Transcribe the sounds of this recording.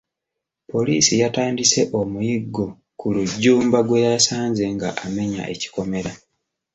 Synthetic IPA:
po̞liːsijataːndise̞ʔo̞mujiɡːo̞ | kuluɟːuːmbaɡwe̞jasaːɲze̞ŋɡa̰ʔame̞ɲa̰ʔe̞̰ci̥ko̞me̞ɾa

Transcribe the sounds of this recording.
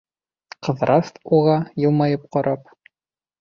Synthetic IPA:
qɤ̆ðɾʔɑst̪uʁɑjɤ̆lˠmɑjɤp̚qɒɾɑp̚

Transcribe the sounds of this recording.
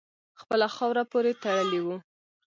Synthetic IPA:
xpəlaxɑwɾapoɾet̪aɽəliwu

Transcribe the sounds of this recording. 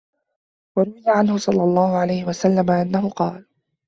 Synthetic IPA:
wɑɾˤʊwɪd̪aʕanhʊsˤɑlːɑlˤːɑːhʊʕalajhɪwasalːamaʔanːahʊqɑːl

